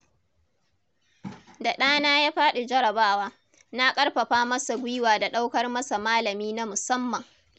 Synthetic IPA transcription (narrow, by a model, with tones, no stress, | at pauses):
da˨ɗaː˦naː˦jaː˦ɸaː˦ɗu˨d͡ʒɐ˦ɽɐ˨baː˦waː˦ | na˦kʼɐ˦ɽɸɐ˨ɸaː˦mɐ˦sa˨ɡʷʊ˦jwaː˨da˨ɗa˦wkɐ˦rmɐ˦sa˨maː˦lɐ˨miː˦na˦mʊ˨sɐ˦mːɐ˨ŋ